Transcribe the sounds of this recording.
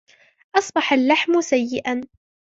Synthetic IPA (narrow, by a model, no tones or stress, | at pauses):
ʔɑsˤbɑħalːaħmsajːɪʔan